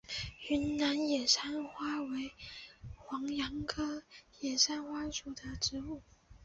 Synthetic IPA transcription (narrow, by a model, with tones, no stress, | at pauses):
y˧˥nna˧˥njɛ˨˩nʂa˥nxwa˥we˧˥ɪ | xwɑ˧˥ŋjɑ˧˥ŋkʰɤ˥jɛ˨˩nʂa˥nxwa˥ʂu˨˩d̪ə˨ʈ͡ʂɻ̩˧˥u˥˩